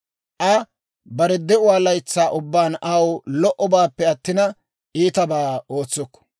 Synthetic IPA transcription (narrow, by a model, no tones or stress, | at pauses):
ʔɐ | bɐɾɛd̪ɛʊwaːlɐjt͡sːaːʔʊbːaːnɐwlɔʔɔbaːpːɛɐt̪ːɪnɐ | ʔiːt̪ɐbaːo̞ːt͡sːɔkːɔ̥